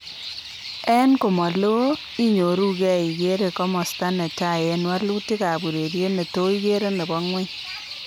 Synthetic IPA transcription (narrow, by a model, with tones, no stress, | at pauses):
ɛ˦nko˨mɔ˨lo˦ | i˦ɲo˨ɾu˦kɛ˦˨i˨ɡe˦ɾe˨kɔ˦mɔ˨sta˦ne˨ta˨je˨nwa˦lu˦ti˦ka˨bu˨ɾe˨ɾje˦ne˨to˦i˦ɡe˦ɾe˦ne˨bɔ˦ŋwe˦